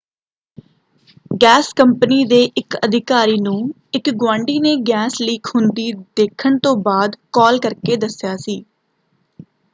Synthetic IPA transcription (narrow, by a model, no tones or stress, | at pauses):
ɡɛːskəmpniːd̪eːʔɪkəd̪ʱɪkaːɾiːnũː | ɪkɡwãːɳɖiːneːɡɛːsliːkʰhʊnd̪iːd̪eːkʰəɳt̪õːbaːd̪kɔːlkəɾkeːd̪əsjaːsiː